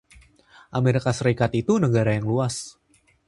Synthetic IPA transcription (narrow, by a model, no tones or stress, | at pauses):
ʔameɾikasəɾikat̪it̪unəɡaɾajaŋluas